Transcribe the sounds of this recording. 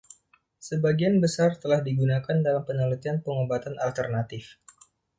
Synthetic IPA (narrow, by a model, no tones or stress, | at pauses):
səbaɡianbəsart̪əlahdiɡunakandalampənalut̪ianpəŋobat̪anʔalt̪ərnat̪ɪf